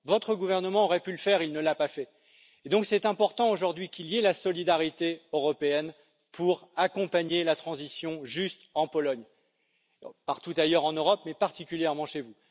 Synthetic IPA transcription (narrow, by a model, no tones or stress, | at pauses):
vɔt̪χəɡuvɛʁnəmɑ̃ɔʁɛpyləfɛʁilnəlapafɛ | ed̪ɔ̃ksɛt̪ɛ̃pɔʁt̪ɑ̃oʒuʁd̪ɥikʲiliɛlasɔlid̪aʁit̪eøʁɔpeɛn | pʰuʁakɔ̃paɲelat̪χɑ̃zisjɔ̃ʒyst̪ɑ̃pɔlɔɲ | paʁt̪ut̪ajœʁɑ̃nøʁɔpmɛpaʁt̪ikʲyljɛʁmɑ̃ʃevu